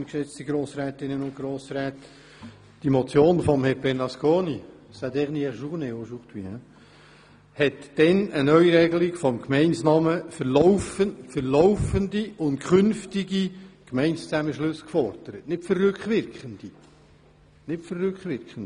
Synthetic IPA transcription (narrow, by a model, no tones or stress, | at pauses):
nkʃɛt͡st̪iɡɾoːsɾɛːt̪ɪnːənʊn̚ɡ̥ɾoːsɾɛːt | d̥imɔt͡sjoːnfɔmhɛɾbɛɾnɑskoːni | sæd̪ɛχniɛχʃuʁneoʃuχt̪ʋiɛ | hɛtd̥ɛnənœɥiɾɛɡəlɪkfɔmkmɛɪnsnɑməfəɾlɔwfəfəɾlɔwfəndiʊntkχʏnftiɡikmɛɪnst͡sæməʃlɵsːkfɔɾd̥əɾətnɪtfərːʏkχʋɪɾkχənd̥̪i | nɪtfərːʉkχʋɪɾkχəndi